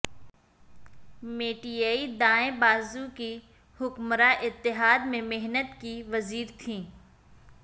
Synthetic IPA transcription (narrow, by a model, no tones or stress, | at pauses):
meːʈiːaːid̪ãːẽbaːzũki | hʊkmɾaʔɪt̪ːɪɦaːd̪mẽmɪɦnət̪kiʋɐziːɾt̪ʰĩː